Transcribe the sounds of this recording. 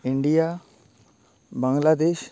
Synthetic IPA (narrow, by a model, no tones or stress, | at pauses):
iɳɖija | baŋlad̪eʃ